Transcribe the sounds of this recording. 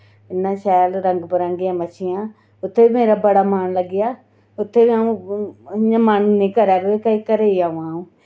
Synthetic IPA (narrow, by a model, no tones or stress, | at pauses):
ɪnːãːʃɛːlɾəŋɡpəɾãːŋɡɪjãːmət͡ʃʰɪjãː | ʊt̪ʰːeːiːmeːɾaːbəɽaːmaːnləɡːɪjaː | ʊt̪ʰːeːʋiãːũː | ãːmaːnũːnĩːkəɾaːkoeːkəiːkəɾeːiaːʋãːɦũː